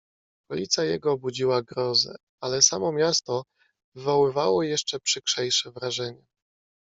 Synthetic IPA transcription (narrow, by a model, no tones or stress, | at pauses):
kɔlʲit̪sʲjajɛ̰ɡɔːbud͡ʑiwaɡɾɔzɛ̰ | alɛsamɔmʲjast̪ɔ | vɘvɔwɘvawɔjɛʂt͡ʂɛpʂɘkʂɛjʂɛvɾaʐɛɲɛ